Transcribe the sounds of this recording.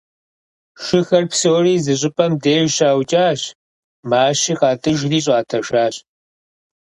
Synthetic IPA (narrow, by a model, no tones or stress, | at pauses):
ʃɨxɐrpsowriːzɨɕ̬ʼɪpʼɐmdeːʒɕaːwt͡ʃʼaːɕ | maːʃixɑːtʰʼɨʒriːɕ̬ʼaːtʰɐʃaːɕ